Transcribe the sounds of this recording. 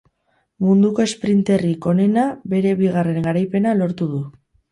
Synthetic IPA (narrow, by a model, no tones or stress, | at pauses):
mund̪uko̞e̞spɾint̪e̞riko̞ne̞nabe̞ɾe̞βiɣ̞are̞ŋɡaɾajpe̞nalo̞ɾt̪uðu